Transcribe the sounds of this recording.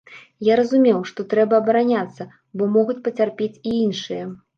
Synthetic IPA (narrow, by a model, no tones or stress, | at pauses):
jaɾɐzumʲɛwʂt̪ɔt̪ɾɛbɐːbɐɾanʲat̪sːɐ | bɔmɔɣut͡sʲpɐt͡sʲarpʲet͡sʲiinʂɨjɐ